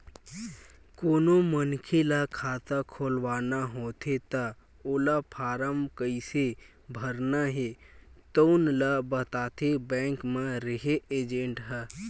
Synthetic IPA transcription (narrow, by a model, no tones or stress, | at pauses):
koːnomənkʰelakʰaːt̪akʰoːlwaːnaɦoːt̪ʰet̪a | oːlapʰaːɾəmkəɪse | bʱəɾnaɦet̪əʊnlabət̪aːt̪ʰebɛ̃ːŋkmẽɾəɦeeːd͡ʒẽɳʈɦɛ